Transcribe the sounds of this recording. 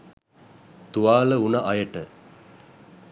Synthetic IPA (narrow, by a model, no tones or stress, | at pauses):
t̪uaːləunɐʔɐjəʈə